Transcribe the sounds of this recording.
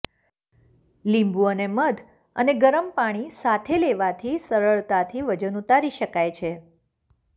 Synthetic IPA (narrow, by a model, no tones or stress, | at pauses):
limbuəneməd̪ʱ | ə̰neɡəɾəmpaɽ̃isat̪ʰeleʋat̪ʰisəɾəɭt̪at̪ʰiʋəd͡ʒənut̪aɾiʃəkajt͡ʃʰe